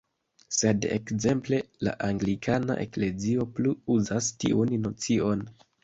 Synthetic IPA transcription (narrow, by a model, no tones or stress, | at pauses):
se̞dḛkze̞mple̞la̰ʔaŋɡlikʰana̰ʔe̞̰kle̞zio̞pluuzastḭʔunːo̞t͡sio̞n